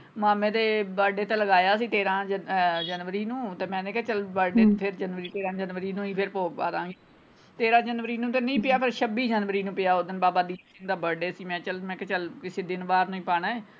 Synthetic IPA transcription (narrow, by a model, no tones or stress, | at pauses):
maːmẽːd̪eːbəːɖeːt̪ẽːləɡaːjaːsĩːt̪eːɾãːd͡ʒd͡ʒənʋəɾiːnũːt̪eːmɛ̃ːd̪ẽkɛːt͡ʃəlbəɖeːpʰɪɾd͡ʒənʋəɾiːt̪eːɾãːd͡ʒənʋəɾiːnũːĩːpʰɪɾpoːkba̰ːt̪ãːŋɡiː | t̪eːɾãːd͡ʒənʋəɾiːnũːt̪enəĩːpɪjaːpʰəɾʃəbiːd͡ʒənʋəɾiːnũːpɪjaːoːd̪ənbaːbaːd̪iːsɪŋd̪aːbəɖeːsiːmɛ̃ːt͡ʃəlmɛ̃ːkɛt͡ʃəlkɪseːd̪ɪnbaːɾnũːĩːpaːɽaːeː